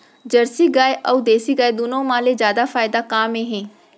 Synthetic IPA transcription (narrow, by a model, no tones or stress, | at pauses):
d͡ʒəɾsiːɡaːeʔəud̪eːsiːɡaːed̪ʊnõːmãːleːzjaːd̪aːfʰaːɪd̪aːkaːmẽːɦẽː